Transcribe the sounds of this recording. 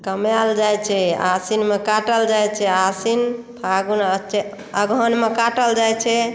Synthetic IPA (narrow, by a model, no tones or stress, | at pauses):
kəmjald͡ʒajt͡ʃʰɛa̰sinmekaʈəld͡ʒajt͡ʃʰɛasin | pʰaɡunət͡ʃe | əɡʱɔnmekaʈəld͡ʒajt͡ʃʰɛ